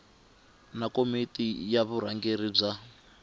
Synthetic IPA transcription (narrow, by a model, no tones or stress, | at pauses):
nakomitʼijaβuɾaŋɡeɾib͡ʐa